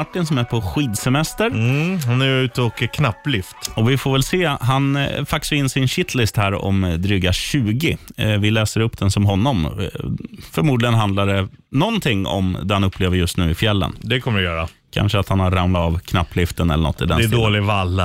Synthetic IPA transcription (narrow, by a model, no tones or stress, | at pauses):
aʈːɪnsɔmæɾpʰɔɧiːd̪sɛmɛst̪əɾhanæjʉ̟ːt̪ʰɔkəkʰnapːlɪft̪ɔvɪfoːɾvɛlseːɦanfak̚sɔɪnːsɪnɕɪt̪ʰlɪst̪hæːɾɔ̰md̪ɾʏɡaɕʉ̟ːɡɪvɪlɛːsəɾɵpːd̪ɛnsɔmɦɔnːɔm | fœɾmuːd̪lɪɡənɦand̪laɖ̪ɛ | nɔnt̪ʰɪŋːɔ̰md̪ɛhanɵpːleːvəɾjɵst̪nʉ̟ːɪfjɛlːə̰nd̪ɛkʰɔmːəɾɪjœːɾa̰ | kʰa̰nʂəat̪hanhaɾːamlat̪ɑvkʰnapːlɪft̪ənɛlːəɳɔ̰t̪ːɪd̪ɛnsd̪oːlɪvalː